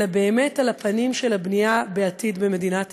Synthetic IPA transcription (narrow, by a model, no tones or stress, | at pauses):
abe̞ːme̞talapanimʃe̞labnijabeatidbe̞me̞dinat